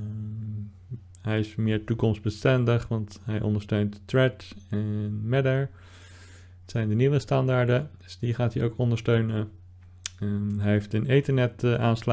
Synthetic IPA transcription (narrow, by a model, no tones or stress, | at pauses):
ɦɛjɪsmɪːɹtukɔmsbəstɛndəχʋɑntɦɛjʔɔ̰ndəɹstøɥnttɹɛtɛnmɛdəɹ | ətsɛjndəniʋəstɑndaːɹdə | sdiχaːtiowkɔndəɹstøɥnə | ɦɛjɦeftənɪntəɹnɛtʔaːnsl